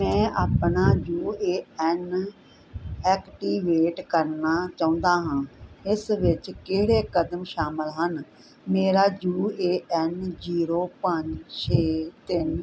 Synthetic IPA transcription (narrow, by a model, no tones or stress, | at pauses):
mɛ̃ːʔaːpnaːd͡ʒuːeːɛn | ɛːkʈiːʋeːʈkəɾnaːt͡ʃaːũnd̪aːɦãːɪsʋɪt͡ʃkeːɽeːkəd̪əmʃaːməlɦən | meːɾaːd͡ʒuːeːɛnd͡ʒiːɾoːpəɲd͡ʒʃʰeːt̪ɪn